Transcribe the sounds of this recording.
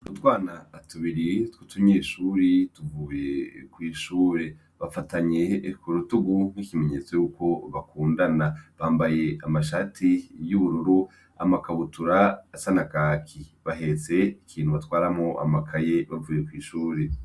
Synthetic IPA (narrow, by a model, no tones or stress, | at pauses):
ɾutwaːnaːtuβiɾitwutuɲeːʃuːɾituvuːje̞kwiːʃuːɾe̞ | βafataɲe̞kuɾutuɡun̥hikime̞ɲe̞t͡sojuːko̞βakuːndanaβaːmbaje̞amaʃatʰijuβuɾuɾu | a̰makaβutuɾaːsanakaːkʰiβaɦe̞t͡se̞ikʰiːnhuβatwaːɾamŋoʔa̰makʰaje̞βavuːje̞kwiːʃuːɾe̞